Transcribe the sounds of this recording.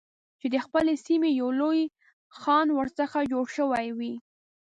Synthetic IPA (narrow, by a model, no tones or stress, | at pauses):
t͡ʃed̪əxpəlesimejawloj | xɑnwəɾsəxad͡ʒoɽʃəwajwi